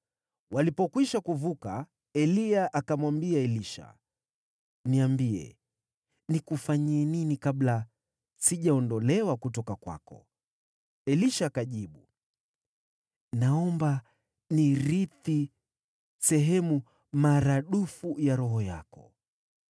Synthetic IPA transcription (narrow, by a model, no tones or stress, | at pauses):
walipɔkwiʃakuvuka | ɛliaʔakamwambiaɛliʃa̰ | niambiɛ̰ | nikufaɲiɛninikabla | siʄaɔndɔlɛwakutɔkakwa̰kɔ̰ | ɛliʃaːkaʄiɓu | naɔmba | niɾiθi | sɛɦɛmu | maɾaɗufujaɾɔɦɔja̰kɔ̰